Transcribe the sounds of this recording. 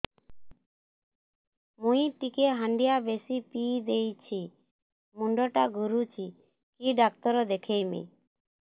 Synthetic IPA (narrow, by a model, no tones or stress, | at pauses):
mũiʈikeɦaɳɖijabesipid̪ejt͡ʃʰi | muɳɖɔʈaɡʱuɾut͡ʃʰi | kiɖak̚t̪ɔɾɔd̪ekʰejmḭ